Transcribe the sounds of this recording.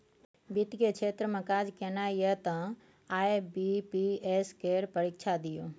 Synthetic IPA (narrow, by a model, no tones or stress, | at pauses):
bit̪ket͡ʃʰeːt̪ɾəmẽkaːd͡ʒkenajət̪ə̃ | aːebipieskeːɾpəɾikt͡ʃʰad̪ijoː